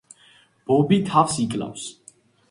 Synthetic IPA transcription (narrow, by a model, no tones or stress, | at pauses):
b̥ɔbit̪ʰafsikʼla̰fs